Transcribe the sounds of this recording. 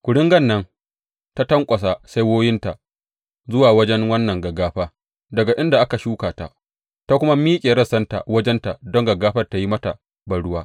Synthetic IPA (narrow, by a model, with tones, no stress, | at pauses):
kʷʊ˨ɽɪ˦ŋɡɐ˦˨nːɐ˦ŋ | ta˦tɐ˦ŋkʷʼɐ˨s̬a˨sa˦jwoː˦jɪ˦nta˨ | zʊ˦waː˨wɐ˦d͡ʒɛ˦ŋwɐ˦nːɐ˨ŋɡɐ˨ɡːaː˦ɸaː˦ | dɐ˨ɡa˨ʔɪ˦nda˨ʔa˦ka˨ʃuː˦kaː˨ta̰˨ | ta˦kʷʊ˦ma˦miː˦kʲʼeː˨ɾɐ˦˨sɐ˦nta̰˨wɐ˦d͡ʒɛ˦nta˨dɔ˦ŋɡɐ˨ɡaː˦ɸɐ˦rta˨ji˦mɐ˦ta˨ | bɐ˨ɽʊ˦waː˦